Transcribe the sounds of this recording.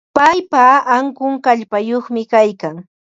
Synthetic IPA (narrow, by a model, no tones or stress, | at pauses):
pajpaːŋkʊŋkaʎpajoχmɪkajkaŋ